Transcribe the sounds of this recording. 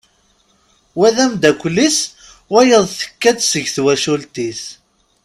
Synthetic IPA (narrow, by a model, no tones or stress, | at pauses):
wæðæmd̪ækʷːlːis | wæjəðˤθə̥kːæd̪səʝθwæʃult̪iθ